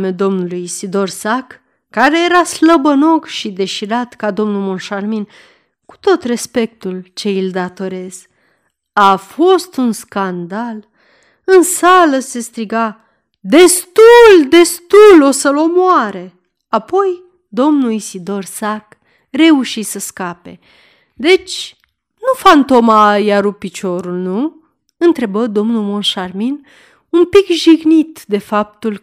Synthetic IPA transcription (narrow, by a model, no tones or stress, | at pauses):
med̪o̞mnulujsid̪o̞rsakː | aɾe̞je̞ɾasləbəno̞kʃid̪e̞ʃiɾat̪kad̪o̞mnumonʃarmin | ku̥t̪o̞t̪re̞spe̞k̚t̪ult͡ʃe̞ild̪at̪o̞ɾe̞z̥ | afo̞st̪unskand̪al | ɨnsaləse̞st̪ɾiɡa | d̪e̞st̪uld̪e̞st̪ulo̞səlo̞moaɾe | apo̞j | d̪o̞mnuisid̪o̞rsak | re̞uʃisəskape̞̰ | d̪e̞t͡ʃʲ | nufant̪o̞majaɾupit͡ʃo̞ɾulnu | ɨnt̪ɾe̞bəd̪o̞mnulmo̞nʃarmin | umpikʒiɡnit̪d̪e̞fap̚t̪ul